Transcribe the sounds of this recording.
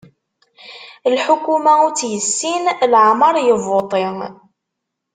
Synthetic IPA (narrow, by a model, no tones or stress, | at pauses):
lħukumæut͡sːjəsːinlʕmɑɾˤjəvot̪ˤɪ